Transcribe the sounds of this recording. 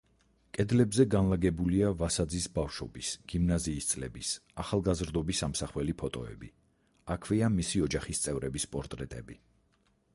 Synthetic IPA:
kʼɛd̪lɛbzɛɡanlˠaɡɛbuliavasad̪zisbafʃɔbisɡ̥imnaziːst̪sʼlɛbisaχalˠɡazɾd̪ɔbisamsaχwɛlipʰɔt̪ʼɔɛ̰bḭ | akʰviamisiɔd͡ʒaχist̪sʼɛvɾɛbispʼɔɾt̪ʼɾɛt̪ʼɛbi

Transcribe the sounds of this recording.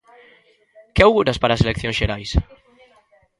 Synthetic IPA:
kɪawɣuɾaspaɾaːselekθjõŋsʃeɾajs

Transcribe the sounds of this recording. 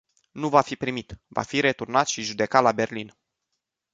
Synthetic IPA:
nuvafipɾimit̪va̰fiɾe̞t̪urnat̪ʃiʒud̪e̞kat̪labe̞rlin

